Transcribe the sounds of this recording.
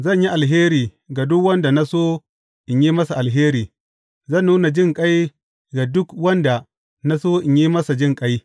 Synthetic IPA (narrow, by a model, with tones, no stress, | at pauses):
zɐ˦˨ɲji˦ʔa˨lɦeː˦ɾiː˨ | ɡa˨dʊ˦kwɐ˦nda˨na˦soː˦ | ʔɪ˨ɲjiː˦mɐ˦sa˨ʔa˨lɦeː˦ɾiː˨ | zɐ˦˨nːuː˦na˨d͡ʒɪ˦ŋkʼa˦j | ɡa˨dʊ˦kwɐ˦nda˨ | na˦soː˦ʔɪ˨ɲji˦mɐ˦sa˨d͡ʒɪ˦ŋkʼa˦j